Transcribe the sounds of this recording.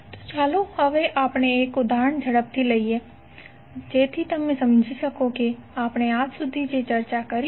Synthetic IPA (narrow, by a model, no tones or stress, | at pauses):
t̪o̥t͡ʃaːlohɐʋeʔaːpneeːkʊd̪ʱaːɾəɳd͡ʒʱɐɽəp̚t̪ilɐiɦɛː | d͡ʒeːt̪ʰit̪ɐmẽsɐmd͡ʒʱisɐkokeaːpneaːd͡ʒsʊd̪ʱid͡ʒet͡ʃɐɾt͡ʃakɐɾi